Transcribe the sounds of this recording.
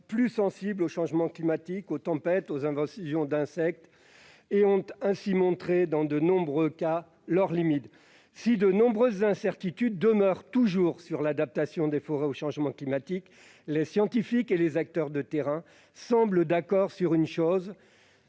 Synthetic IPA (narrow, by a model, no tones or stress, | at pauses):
plysɑ̃sibloʃɑ̃ʒmɑ̃klimat̪ikot̪ɑ̃pɛt̪ozɛ̃vɑ̃sjɔ̃d̪ɛ̃sɛk̚t̪ | eɔ̃t̪ɛ̃simɔ̃t̪χed̪ɑ̃d̪ənɔ̃bʁøka | lœʁlimit̪ | sid̪ənɔ̃bʁøzːɛ̃sɛʁt̪it̪yd̪ːəmœʁt̪uʒuʁsyʁlad̪ap̚t̪asjɔ̃d̪efɔʁɛoʃɑ̃ʒmɑ̃klimat̪ik | lesjɑ̃t̪ifikelezak̚t̪œʁd̪ət̪eʁɛ̃ | sɑ̃bləd̪akɔʁsyʁynʃoz